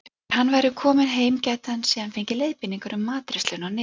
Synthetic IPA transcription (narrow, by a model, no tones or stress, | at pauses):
hanːvajɾʏkʰɔːmɪnɦeːjmcɛt̪ansiːðanfejɲcɪlejðpɪniŋkaɾʏmːaːt̪ɾɪst̪lʏnawnɪ